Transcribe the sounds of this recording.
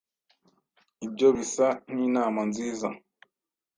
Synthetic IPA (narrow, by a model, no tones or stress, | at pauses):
ibɟoβisaninamanziza̰